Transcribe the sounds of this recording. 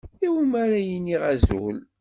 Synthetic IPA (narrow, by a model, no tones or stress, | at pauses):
iwmæɾæjənːiʁæzṵl